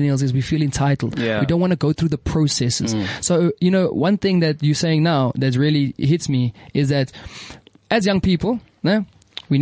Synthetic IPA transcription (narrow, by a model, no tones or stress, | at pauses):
nilˠzɪzwifilˠɪ̃ntʰaɪtˡl̩ˠdwidõʊ̃ntwɑ̃nəɡoʊθɹuːðəpʰɹ̥oʊsɛsə̰z̥sojɨnoʊwʌ̃nθɪ̃ŋðɨtjəseɪɪ̃ŋnaʊðɨt̬ɹiəliɦɪtsmiɪzðɨt | ɨzjʌ̃ŋpʰiːpəlˠ | nə | win